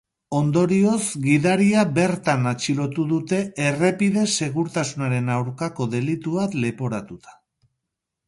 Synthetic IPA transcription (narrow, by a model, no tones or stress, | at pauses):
o̞nd̪o̞ɾio̞zɡiðaɾiaβe̞ɾt̪anat͡ʃilo̞t̪uðut̪e̞ere̞piðe̞se̞ɣuɾt̪asunaɾe̞nawɾkako̞ðe̞lit̪uβat̪le̞po̞ɾat̪ut̪ḁ